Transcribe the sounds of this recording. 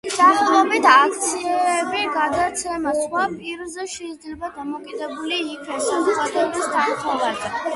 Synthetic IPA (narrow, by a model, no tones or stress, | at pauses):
d̪̥aχt̪ʼɔbit̪ʰakʰt̪sʰiɛbiɡad̪at̪sʰɛmasχwapʼiɾzɛʃɛid̪zlɛbad̪amɔkʼid̪ɛbuliːkʰɛsanʼad̪ɛbisd̪aɾt̪ʰavaɾd̪ɛ